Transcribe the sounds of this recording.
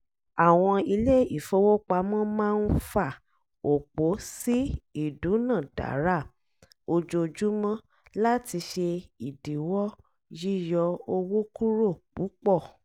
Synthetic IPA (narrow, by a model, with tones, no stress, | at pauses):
a˨w̃ɔ̃˧i˧le˦˨i˨fo˦wo˦k͡pa˧mɔ̃˦mãː˦˧n̩˦fa˦˨ | o˨k͡po˨˦si˦i˦˨du˨˦nã˦˨d̥a̰˨˦ɾa˦˨ | o˧d͡ʒo˧d͡ʒu˨˦mɔ̃˦ | la˦ti˧ʃe˧i˨di˨wɔ˦ | ji˦jɔ˧o˧wo˦ku˦ɾo˦˨k͡pu˨˦k͡pɔ˦˨